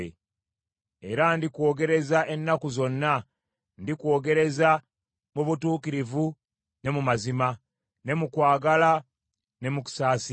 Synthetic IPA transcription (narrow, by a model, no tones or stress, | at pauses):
ḛ | e̞ɾandikwo̞ːɡe̞ɾe̞zaʔe̞nːakuzo̞nːa | ndikwo̞ːɡe̞ɾe̞za | muβutuːkiɾivu | ne̞mumazima | ne̞mukwaːɡala | ne̞muku̥saːsi